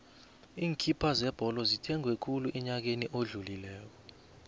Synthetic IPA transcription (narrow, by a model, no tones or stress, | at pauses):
iːŋkʰʼipʰazɛb̥ʱɔlɔzitʰɛŋʱwɛkʰuluʔɛɲak̬eniʔoɮulilɛːk̬ɔ